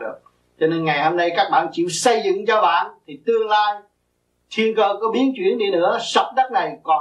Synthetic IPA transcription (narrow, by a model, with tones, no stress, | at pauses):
ɨ˨˩ək̚ | t͡ɕɔ˧ne˧nŋa˨˩jho˧mɗə˧jkaː˦˥k̚ɓa̰ː˧˨nt͡ɕḭ˧˨əwsə˧jzɨ̰˧˨ŋt͡ɕɔ˧ɓa̰ː˧˨nt̪ʰi˨˩t̪ɨ˧əŋlaː˧j | t̪ʰi˧ənkəː˧kɔ˨˦ɓi˨˦ənt͡ɕwi˧˩ənɗi˧nɨ̰˧˥əsə˨˥wk͡p̚ɗə˦˥t̚na˨˩jkɔ˨˩